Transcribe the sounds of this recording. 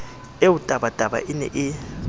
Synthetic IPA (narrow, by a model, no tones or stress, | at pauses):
ewud̥ʱʼaɓad̥ʱʼaɓa̰ʔinɛ̰ʔi